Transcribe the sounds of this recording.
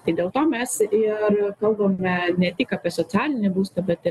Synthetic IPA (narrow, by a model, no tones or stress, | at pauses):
t̪ɐɪd̪ʲeːlˠt̪oːmʲɛsɪɾkɐlˠbɐːmʲɛnʲɛt̪ʲɪkɐːpʲiɛsoɔt͡sʲæːlʲɪnʲɛbuːst̪ɐbʲɛt̪ɪ